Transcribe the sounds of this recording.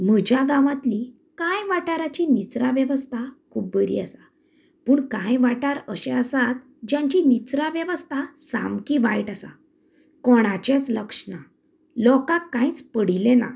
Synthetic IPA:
m̤əd͡ʑjaɡãʋãt̪li | kãjʋaʈaɾat͡ɕinit͡sɾaʋjəʋəst̪ʰakʰuːb̚ːəɾḭːəsa | puːɳkãjʋaʈaɾəɕɛ̃əsat̪̚ | d͡ʑjãɲt͡ɕinit͡sɾaʋjɛʋəst̪ʰasa̰mkiʋaiʈasa̰ | kɔɽ̃at͡ɕet͡sləkʂna | lɔkakːãĩt͡spəɽ̤ilena̰

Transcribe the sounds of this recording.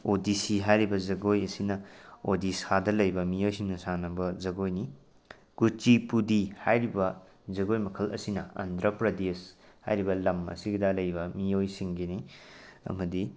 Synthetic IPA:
odisiɦajɾibɐzɐɡojɐsinɐodisadɐlɐjbɐmijojsiŋnɐsanɐbɐzɐɡojni | kut͡ʃipudihajɾibɐ | zɐɡojmɐkʰɐlɐ̰sinɐɐ̰ndɾɐpɾɐdes | ha̰jɾibɐlɐmɐ̰siɡidalɐjbɐmijojsiŋɡeniɐ̰mɐdi

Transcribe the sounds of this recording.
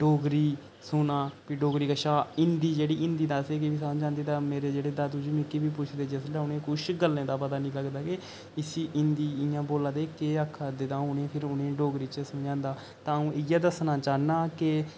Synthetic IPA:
ɖoːɡɾiː | sʊnaːpiɖoːɡɾiːkəʃaːɪnd̪iːd͡ʒeːɽiːɪ̃nd̪iːd̪aːseːkɪʋiːsãd͡ʒãːnd̪eːt̪ãːmeːɾeːd͡ʒeːɽeːd̪aːt̪ud͡ʒuːmĩːkiːbiːp̬ʊt͡ʃʰd̪eːd͡ʒeːsleːʊnẽːkʊʃɡəlːẽːd̪aːpət̪aːnĩːləɡd̪aːke | ɪsiːʔɪnd̪iːɪjãːboːlãːd̪eːkeːakʰːaːd̪ɪd̪ãːʊnẽːpʰɪɾʊnẽːɖoːɡɾiːt͡ʃəsʊjãːnd̪aː | t̪ãːũːɪjaːd̪əsnãːt͡ʃaːnãːke

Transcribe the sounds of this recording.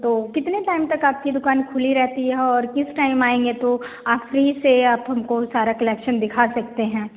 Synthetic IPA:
t̪oːkɪt̪neʈaːɪmt̪ɐkaːp̚kid̪ʊkaːnkʰʊliɾɛɦt̪iɦɛɔːɾkɪsʈaːɪmaːẽːŋɡet̪o | aːpɾiseaːpɦɐmkosaːɾakɐlɛːkʃənd̪ɪkʰasɐk̚t̪eɦɛ̃ː

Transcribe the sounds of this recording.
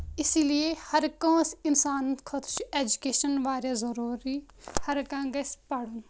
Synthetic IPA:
ɪsiliehɐɾkõːsɪnsaːnət̪kʰɐt̪t͡ʃuʔeːd͡ʒukeːʃənʋaːɾjaːzɐɾuːɾiː | hɐɾkãːɡɐspaɽun

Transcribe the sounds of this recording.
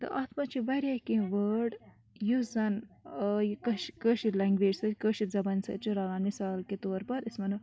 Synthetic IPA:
t̪ɐ̰ʔɐt̪mɐt͡ʃʰiʋɐɾɐkĩʋəːɖ | juzzɐnjkɐʃkəːʃilɐŋɡʋeːd͡ʒsɐkəːʃiɾzɐbɐnsɐ̰t͡ʃuɾɐːlaːnmisaːlket̪oːɾpɐɾismɐnu

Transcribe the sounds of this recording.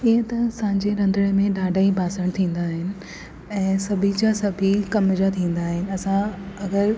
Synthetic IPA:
ɪɦt̪ɐɐsãːɪ̃ɲd͡ʑeɾɐ̃nd̪ʱəɽ̃emẽɗaːɖʱaibʱaːsəɽ̃t̪ʰĩːn̆d̪aːɦɪnɪ̆ | ɛ̃ːsɐbʱid͡ʑasɐbʱikɐmd͡ʑat̪ʰĩːn̆d̪aːɦɪnɪ̆ɐsãɐɡəɾ

